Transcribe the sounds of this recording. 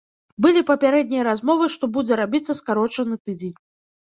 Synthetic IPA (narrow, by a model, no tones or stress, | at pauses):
bɨlʲipɐpʲaɾɛd̪̚ʲnʲijɐɾazmɔvɨʂt̪ɔbud͡zʲɛɾabʲit̪sːɐskaɾɔt͡ʂɐnɨt̪ɨd͡zʲenʲ